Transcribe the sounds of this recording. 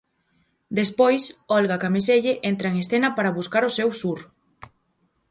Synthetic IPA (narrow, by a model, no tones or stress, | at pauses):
d̪espɔjsɔlɣakames̬eʎeʔent̪ɾaeŋesθenɐpaɾaβuskaɾʊsewsuɾ